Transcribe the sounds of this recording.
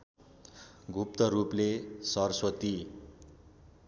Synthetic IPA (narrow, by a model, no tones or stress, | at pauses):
ɡʱup̚t̪ʌɾuplesʌrswʌt̪i